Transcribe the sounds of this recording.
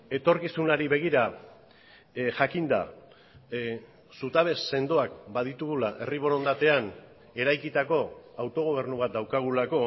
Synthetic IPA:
e̞t̪o̞ɾkisunaɾiβe̞ɣ̞iɾa | ʝakind̪a̰ | sut̪aβ̞e̞sːe̞nd̪oak̚baðit̪uɣulaʔe̞riβ̞o̞ɾo̞nd̪at̪e̞an | e̞ɾajkit̪ako̞awt̪o̞ɣ̞o̞β̞e̞ɾnuβ̞at̪̚d̪awkaɣ̞ulako̞

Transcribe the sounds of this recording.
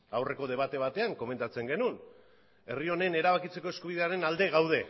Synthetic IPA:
awre̞ko̞ðe̞β̞at̪e̞β̞at̪e̞aŋko̞me̞nt̪at͡se̞ŋɡe̞nun | e̞rio̞ne̞ne̞ɾaβ̞akit͡se̞ko̞e̞skuβiðe̞aɾe̞nald̪e̞ɣawð̞e̞

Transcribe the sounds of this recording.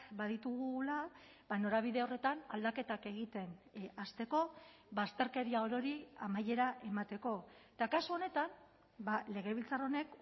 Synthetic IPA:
baðit̪uɣula | bano̞ɾaβ̞iðe̞o̞re̞t̪ana̰ld̪ake̞t̪ake̞ɣit̪e̞nast̪e̞ko̞ | bast̪e̞ɾke̞ɾiaoɾo̞ɾiamaje̞ɾaʔe̞mat̪e̞ko̞et̪akasuo̞ne̞t̪an | bale̞ɣ̞e̞βilt͡saro̞ne̞k

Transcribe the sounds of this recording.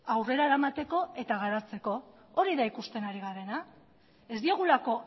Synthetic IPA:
awre̞ɾaeɾamat̪e̞ko̞e̞t̪aɣ̞aɾat͡se̞ko̞ | oɾiðaikust̪e̞naɾiɣaɾe̞na | e̞zd̪ioɣ̞ulako̞

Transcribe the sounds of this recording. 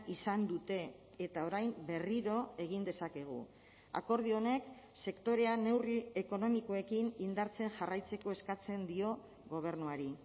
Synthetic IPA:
isand̪ut̪e̞ː | t̪ao̞ɾajmbe̞riɾo̞e̞ɣ̞ind̪e̞sake̞ɣ̞ṵ | a̰ko̞ɾð̞io̞ne̞k | se̞kt̪o̞ɾe̞ane̞wrie̞ko̞no̞miko̞e̞kinind̪aɾt͡se̞nʝarajt͡se̞ko̞e̞skat͡se̞nd̪io̞ | ɣo̞β̞e̞ɾnuaɾi

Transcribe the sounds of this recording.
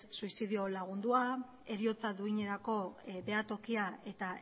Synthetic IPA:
suisiðio̞laɣ̞und̪ua | e̞ɾio̞t͡saðuiɲe̞ɾako̞be̞at̪o̞kiae̞t̪a

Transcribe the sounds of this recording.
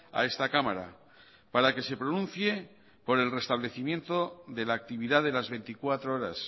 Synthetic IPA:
a̰e̞st̪akamaɾa̰ | paɾake̞se̞pɾonũn̟θje̞ | po̞ɾe̞lre̞st̪aβ̞le̞θimjẽ̞nt̪o̞ðe̞laːk̚t̪iβ̞iðaðe̞lazβe̞nt̪ikwat̪ɾooɾa̰s

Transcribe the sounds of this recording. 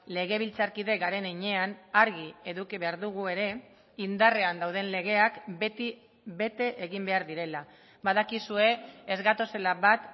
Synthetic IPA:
le̞ɣ̞e̞β̞ilt͡saɾkiðe̞ɣaɾe̞neɲe̞anaɾɣie̞ðukiβe̞aɾðuɣ̞ue̞ɾe̞ | ind̪are̞and̪awð̞e̞nle̞ɣ̞e̞ak̪i | βe̞t̪e̞ʔːɣimbe̞aɾðiɾe̞la | baðakisue̞ːzɣat̪o̞se̞laβat̪

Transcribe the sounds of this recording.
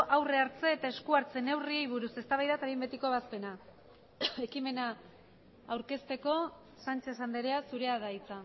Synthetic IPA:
ʔawreaɾt͡se̞ːt̪ae̞skuaɾt͡se̞ne̞wriejβ̞uɾuse̞st̪aβajðat̪aβimbe̞t̪iko̞β̞aspe̞na | e̞kime̞naː | wɾke̞st̪e̞ko̞ | sant͡ʃesand̪eɾeasuɾe̞aðait͡sa

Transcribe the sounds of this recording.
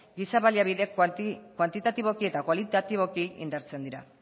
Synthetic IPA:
ɡisaβaliaβiðe̞kkwant̪it̪at̪iβo̞kie̞t̪akwalit̪at̪iβo̞kiḭnd̪aɾt͡se̞nd̪iɾa

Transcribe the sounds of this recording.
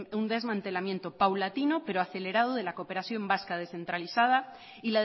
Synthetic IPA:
und̪e̞zmãnt̪e̞lamje̞nt̪o̞pawlat̪inope̞ɾoaθe̞le̞ɾað̞oðe̞lakope̞ɾaθjo̞mbaskað̞e̞sθe̞nt̪ɾaliθað̞a | ila

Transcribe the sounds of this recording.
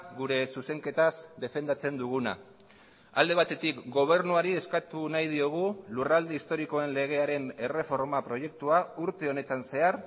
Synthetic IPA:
ɣuɾe̞suse̞ŋke̞t̪asd̪e̞fe̞nd̪at͡se̞nd̪uɣ̞una̰ | ald̪e̞β̞at̪e̞t̪ikɡo̞β̞e̞ɾnuaɾie̞skat̪unajð̞io̞ɣ̞ulurald̪eist̪o̞ɾiko̞e̞nle̞ɣ̞e̞aɾe̞ne̞re̞fo̞ɾmapɾo̞je̞k̚t̪uauɾt̪e̞o̞ne̞t̪anse̞aɾ

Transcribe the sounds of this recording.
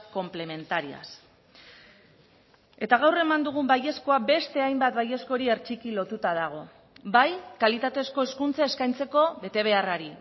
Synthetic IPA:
ko̞mple̞me̞nt̪aɾia̰s | e̞t̪aɣ̞awre̞mand̪uɣ̞umbaje̞sko̞abe̞st̪e̞ajmbat̪baje̞sko̞ɾie̞ɾt͡ʃikilo̞t̪ut̪að̞aɣ̞o̞ | bajkalit̪at̪e̞sko̞e̞skunt͡sae̞skajnt͡se̞ko̞βe̞t̪e̞β̞e̞araɾi

